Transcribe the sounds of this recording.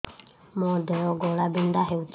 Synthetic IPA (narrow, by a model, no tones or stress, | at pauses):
mɔ̃d̪ɛɔɡɔlabind̪aɦɛut͡ʃ